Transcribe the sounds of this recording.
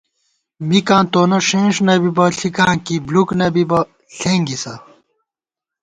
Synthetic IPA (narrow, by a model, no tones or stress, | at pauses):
mikãːt̪oːnɐʂẽːʂnɐbibɐɬikãːkibluknɐbibɐ | ɬeːŋɡisɐ